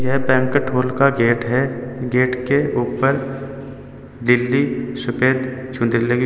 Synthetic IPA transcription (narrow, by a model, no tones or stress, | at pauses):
jɛɦpɛ̃ŋkəʈʰoːlkaɡeːʈɦɛɡeːʈkeuːpəɾ | d̪ɪlːisʊpeːd̪t͡ʃʰʊ̃nd̪ɾileɡi